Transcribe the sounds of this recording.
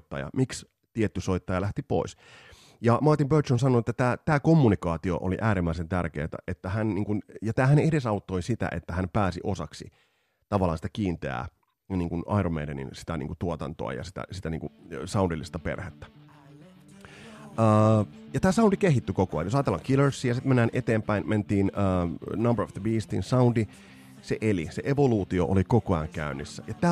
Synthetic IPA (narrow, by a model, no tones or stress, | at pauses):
t̪ːɑ̰jɑ̰miks | t̪iet̪ːysoit̪ːɑjɑlæht̪ipo̰is | jɑmɑrt̪impøt̪t͡ʃonsɑnoet̪ːæt̪æːt̪æːkomːunikɑːt̪io̰ʔo̰lḭʔæːɾimːæisent̪ærkḛːt̪æ̰ʔet̪ːæhænniːŋkunjɑt̪æːhænedesɑut̪ːoisit̪æ̰ʔet̪ːæhæmpæːsḭʔosɑksḭ | t̪ɑʋɑlːˑɑːsi̥t̪ækiːnt̪eæ̰ː | niːŋkunɑiɾomḛdenḭnsi̥t̪ænḭŋkut̪uot̪ɑnt̪o̰ɑ̰jɑ̰si̥t̪æ̰sit̪ænḭːŋkusɑundilːist̪ɑpḛrhet̪ːæ̥ | əːjɑt̪æːsɑundikeɦit̪ːykokoɑ̰jnjosɑt̪elːɑːŋkiləɹsːiːjɑsit̪menːæːnʔet̪eːmpæinment̪iːnəːnɑmbəɹofðəbiːst̪ḭnsɑundi | seʔeliseʔeʋoluːt̪ioʔolikokoɑŋkæynːisːæjɑt̪æː